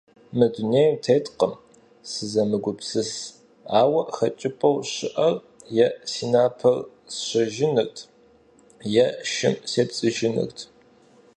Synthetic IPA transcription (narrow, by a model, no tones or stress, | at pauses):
mɨduneːjmtʰeːtqəm | sɨzɐmɨɡʷʊpsɨs | aːwɐʔxɐt͡ʃʼɪpʼɐwɕɪʔɐr | jɛsiːnaːpʰɐr | sɕɐʒɪnɨrtʰ | jɛʃɪmseːpt͡sʼɨʒɪnɨ̰rtʰ